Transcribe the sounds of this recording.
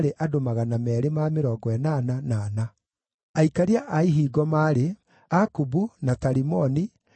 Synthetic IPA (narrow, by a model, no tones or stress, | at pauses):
ɾeʔadomaɣanamɛːɾemameɾɔːɡɔɛnaːnanaːna | aikaɾeaʔaiɦiːɡɔmaːɾe | akubunataɾimɔni